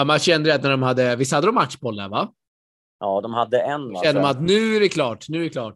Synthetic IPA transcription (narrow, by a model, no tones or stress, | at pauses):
mɛɕɛnd̪əɾɛt̪næɖɔmhad̪ːəvɪs̬ːhad̪ːəd̪ɔmːat̪ʂbɔlːæ̰ɾva | ʔɑːd̪ɔmhad̪ːəɛnʃɛnd̪əmanat̪nʉ̟ːæɖɛkʰlɑːʈnʉ̟ːɖɛklɑːʈ